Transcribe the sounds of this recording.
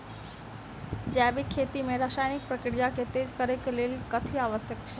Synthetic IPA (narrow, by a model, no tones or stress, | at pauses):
d͡ʒɛbikʰet̪imeɾasaːjnik̚pɾəkɽijaket̪ed͡ʒkəɾekelelkət̪ʰiaʋəsjəkt͡ʃʰɛ